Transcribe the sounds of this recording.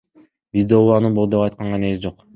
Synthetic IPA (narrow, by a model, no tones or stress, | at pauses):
bizd̪oɑnɯbo̞lˠd̪opɑjt̪̚qɑɴʁɑne̞ɡsd͡ʒo̞q